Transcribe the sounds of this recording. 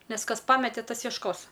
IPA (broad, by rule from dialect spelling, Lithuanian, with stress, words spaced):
ˈnʲɛs ˈkɐs ˈpɑːmʲɛtʲɛ ˈtɐs jiɛʃˈkoːs